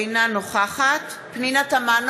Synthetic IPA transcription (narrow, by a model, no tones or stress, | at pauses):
nanoχaχat | pninataman